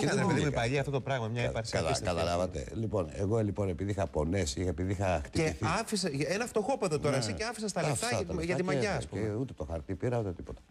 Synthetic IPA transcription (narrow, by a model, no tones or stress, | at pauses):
xɐpeðiupɐʎiɐft̪o̞t̪opɾɐɣmɐmɲɐepɐɾsiɐt̪ɐkɐt̪ɐlɐvɐt̪ḛlipo̞nḛɣolipo̞nepiðixɐpo̞nesiepiðiixɐxt̪ieiθiɐfisɐenɐft̪o̞xo̞pɐt̪ot̪o̞ɾɐsiceɐfisɐst̪ɐleft̪ɐʝɐt̪imɐʝɐɐspuemeut̪e̞t̪oxɐɾt̪ipiɾɐut̪et̪ipo̞t̪ɐ̥